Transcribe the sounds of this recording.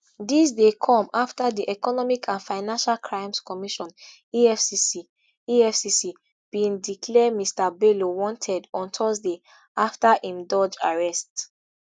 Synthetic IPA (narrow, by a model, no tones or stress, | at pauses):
dis̬dekʰɔ̃maftadiʔɛkɔnɔmikʰãnfaɪnãnʃalkʰɹãɪ̃mskɔmiʃɔ̃n | iɛfsisi | iɛfsisi | b̥ĩŋdikʰlɛmistabelowɔ̃ntʰɛdɔ̃ntʰɔsde | aftaʔĩmdɔd͡ʒaɹɛst